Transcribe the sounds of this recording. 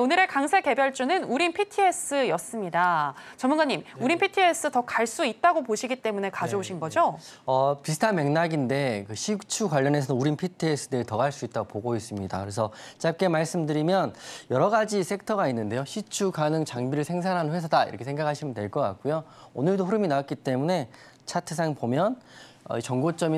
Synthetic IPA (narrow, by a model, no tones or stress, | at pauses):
onɯɾe̞kaŋsʰeke̞bjʌɭt͡ɕ͈unɯnuɾinpʰitʰies͈ʰɯjʌs͈ɯmɲidat͡ɕʌmunɡaɲːimuɾinpʰitʰies͈ʰɯtʌkaɭs͈uit̚t͈aɡopoɕʰiɡit͈e̞mune̞kad͡ʑʌoɕʰinɡʌd͡ʑo | ʌpis̬ʰɯ̥tʰanme̞ŋnaɡinde̞kɯɕʰik̚t͡ɕʰukwaʎːʌne̞sʰʌnnuɾinpʰitʰies͈ʰɯdeɡetʌɡaɭs͈uit̚t͈aɡopoɡois͈ɯmɲida̰kɯɾe̞sʰʌt͡ɕap̚k͈e̞maɭs͈ɯmdɯɾimjʌnjʌɾʌɡad͡ʑisʰe̞k̚tʰʌɡainːɯnde̞joɕʰit͡ɕʰukanɯŋt͡ɕaŋbiɾɯɭsʰe̞ŋs̬ʰanɦanɯnɸwes̬ʰʌdaiɾʌkʰesʰeŋɡakʰaɕʰimɯntwe̞ɭk͈ʌk͈a̰k̚k͈ujoonɯɭdoɸuɾɯminawat̚k͈it͈e̞mune̞ | t͡ɕʰatʰɯsʰaŋpomjʌnʌ̰it͡ɕʌŋɡot͡ɕ͈ʌmi